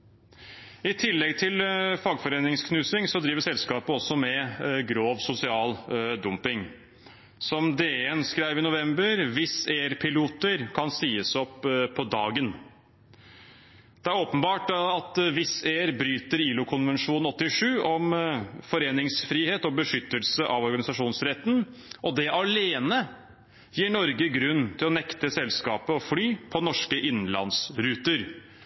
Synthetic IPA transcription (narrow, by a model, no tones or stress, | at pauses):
ɪt̪ʰɪlːɛɡt̪ʰɪlfɑːɡfɔɾeːnɪŋskʰnʉːsɪŋsɔd̪ɾiːʋəsɛlskɑːpəɔsːɔmɛɡɾoːʋsʊsɪɑːld̪ʊmpɪŋ | sɔmd̪eːɛnskɾæɪʋɪnʊʋɛmbəɾʋɪseːɾpʰɪluːt̪əɾkʰɑnsiːəsɔpʰːɔd̪ɑːɡən | d̪̥ɛæɾoːpənbɑːʈɑt̪ʋɪseːæɾbɾyːt̪əɾiːlʊkʰʊnʋənʂuːnɔt̪ːɪʂʉːʔɔmfɔɾeːnɪŋsfɾiːheːt̪ɔbəʂʏt̪ːəlsəʔɑʋɔɾɡɑnɪsɑʂuːnsɾɛt̪ːn̩ʔɔd̪ɛʔɑleːnə | jiːɳɔɾɡəɡɾʉnːt̪ʰɪlɔnɛkt̪əsɛlskɑːpəɔflyːpʰɔnɔʂkəʔɪnn̩lɑ̰nsɾʉːt̪əɾ